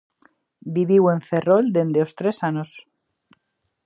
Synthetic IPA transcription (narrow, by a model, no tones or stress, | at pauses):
biβiwe̞ɱfe̞ro̞ld̪e̞nd̪eost̪ɾe̞sanos